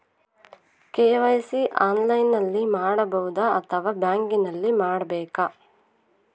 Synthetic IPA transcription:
kɛːʋɐjsiʔaːnlɐjnːɐlːimaːɽɐbɐɦud̪ɐːt̪ʰɐʋaːbjaːŋkinɐlːimaːɽɐbɛːkɐ

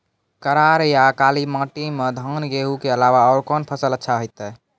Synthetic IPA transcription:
kəɾaɾjakalimãʈimed̪ʱənɡeɦukeəlaʋaɔːɾkɔnpʰəsələtːʃʰaɦojt̪ɛ

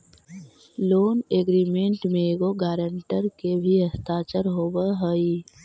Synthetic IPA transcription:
loːneːɡɾiːmẽɳʈmẽɡoɡaːɾəɳʈəɾkebʱiɦəst̪aːt͡ʃəɾɦoːbəɦəi

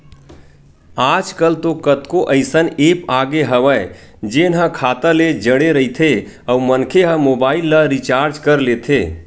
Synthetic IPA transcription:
aːd͡ʒkəlt̪okət̪koʔəɪsəneːpaːɡeɦəʋəː | d͡ʒenɦə̃kʰaːt̪əled͡ʒəɽeɾəit̪ʰe | əumənkʰeɦəmoːbaːɪlːəɾit͡ʃaːɾd͡ʒkəɾleːt̪ʰeː

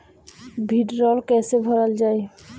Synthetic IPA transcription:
bʱiʈɾɔlkɛsebʱɔɾald͡ʒaj

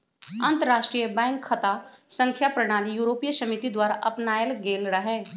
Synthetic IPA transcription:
ɐ̃nt̪əɾaːʃʈɾijəbɛ̃ːŋkʰːɐt̪asə̃ŋkʰjapɾɐɽ̃aːlijuːɾoːpijsɐmit̪id̪waːɾaʔɐpnaːjəlɡeːlɾɐɦeː

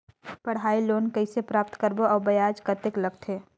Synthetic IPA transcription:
pɐɽ̤aːiloːnkɐisepɾaːp̚t̪kəɾboɔːbɐjaːd͡ʒkɐt̪ɪklɐɡt̪ʰeː

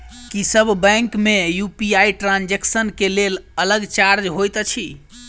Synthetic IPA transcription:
kisəbʱbɛ̃ŋkmejupiajʈɾãnd͡ʒeksənkelelələɡt͡ʃaɾd͡ʒɦojt̪t͡ʃʰi

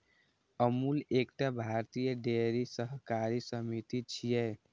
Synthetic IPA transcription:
əmulekʈabʱaɾt̪ijəɖeɾisəɦkaɾisəmit̪it͡ʃʰijɛ

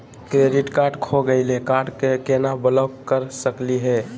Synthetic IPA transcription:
kɾeɖiʈkaɾɖkʰoɡəɪlekaɾɖkekenabələkəɾsəkliɦɛ

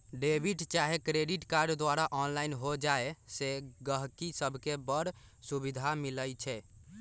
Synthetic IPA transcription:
ɖebʱiʈt͡ʃaɦekɾeɖiʈkaɾɖd̪ʋaɾaʔɔnlainɦod͡ʒaeseɡəɦkisəbʱkebəɾsubid̪ʱamiləjt͡ʃʰɛ

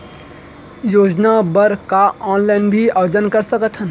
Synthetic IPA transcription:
joːd͡ʒnabəɾkaaːnlaːɪnbʱiaːʋəd͡ʒənkɐɾsəkət̪ʰɦən

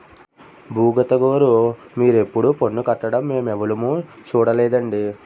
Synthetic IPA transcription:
bʱuːɡɐt̪ɐɡoːɾumiːɾe̞pːuɽupo̞ɳːukɐʈːɐɽɐmːe̞ːmɛʋɐlumut͡ʃuːɽɐlɛːd̪ɐɳɖi

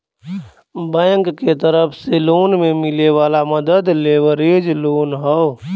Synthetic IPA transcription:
bə̃jə̃ŋkket̪əɾəpʰseloːnmẽmɪleʋaːlaməd̪əd̪leːwəɾeːd͡ʒloːnɦɔo

